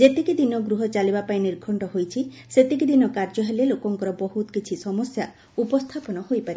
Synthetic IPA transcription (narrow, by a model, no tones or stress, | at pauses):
d͡ʒet̪ekid̪inɔɡɾuɦɔt͡ʃalibapajniɾɡʱɔɳʈɔɦojt͡ʃʰi | set̪ekid̪inɔkaɾd͡ʒɔɦelelokɔŋkɔɾɔbɔɦut̪ɔkit͡ʃʰisɔmɔsja | upɔst̪ʰapɔnɔhojpaɾi